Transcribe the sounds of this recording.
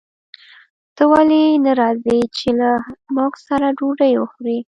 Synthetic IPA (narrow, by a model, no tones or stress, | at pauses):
t̪əwalinaɾɑzit͡ʃelamoksaɾaɖoɖəjwəxɾi